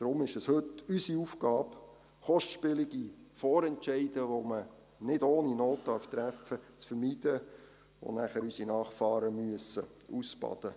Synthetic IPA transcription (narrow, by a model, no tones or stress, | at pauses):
d̥ɾʊmɪʃəshɵtysiufɡ̥ɑːp | χɔʃtʃpɪlɪɡ̥ifɔːɾɛntt͡ʃɛɪd̥əʋomə | nɪdoːninoːtːtɑɾft̪ɾæfət͡sfəɾmiːd̥ə | o̰næχəɾysinɑːχfɑːɾəmyəsəusbɑ̰d̥̪ə